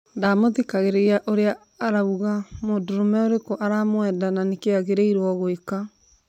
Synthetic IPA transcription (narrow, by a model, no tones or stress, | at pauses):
daːmoðikaɣeɾeaʔoɾeaː | ɾauɣamodoɾomɛoɾekoʔaɾamwɛdananekeaɣeɾeiɾwɔɣoeka